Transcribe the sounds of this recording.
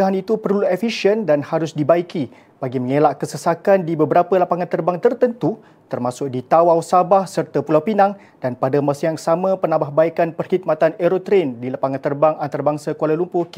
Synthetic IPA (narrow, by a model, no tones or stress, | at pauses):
daɦanit̪upəruluefiʃəndanhaɾʊsdibaiki | b̥aɡiməŋelaʔkəsəsakandibəbəɾapəlapaŋant̪ərbaŋt̪ərt̪ənt̪u | t̪ərmasʊk̚dit̪awawsabahsərt̪apulawpinaŋ | d̥anpadamasajaŋsamə̃pənãmbahbaikanpərhit̪̚mat̪aneɾot̪ɾendilapaŋant̪ərbaŋant̪aɾabaŋsakalalumpʊk